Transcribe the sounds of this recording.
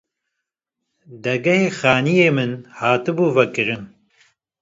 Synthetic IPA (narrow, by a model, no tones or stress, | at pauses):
d̪ɛɡɐheːxaːnijeːmɨnhaːt̪ɨbuːvɐkɨɾɨm